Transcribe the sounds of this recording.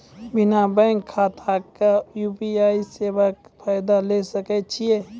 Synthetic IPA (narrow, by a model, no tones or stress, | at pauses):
bɪnabɛ̃ŋkʰːaːt̪ʰakajuːpiaːiseːwakpʰaːjd̪alesəket͡ʃʰie